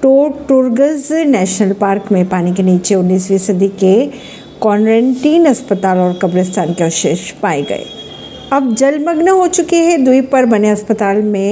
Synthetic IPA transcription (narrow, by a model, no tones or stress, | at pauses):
ʈoːʈʊɾɡəznɛːʃnəlpaːɾkmẽpaːnik̬eniːt͡ʃeʊnːiːsʋiːsɐd̪ʱike | kɔːnɾə̃ɳʈiːnɐspət̪aːlɔːɾkɐbɾɪst̪ʰaːnkeɔːʃeːʃpaːeɡɐ̰ḛː | ɐb̚d͡ʒɐlməɡnəɦot͡ʃʊkeɦɛd̪uipɐɾbɐneɐspət̪aːlmẽ